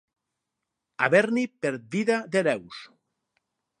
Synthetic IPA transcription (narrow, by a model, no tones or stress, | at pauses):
a̰βeɾnipeɾ̚biðaðelɛws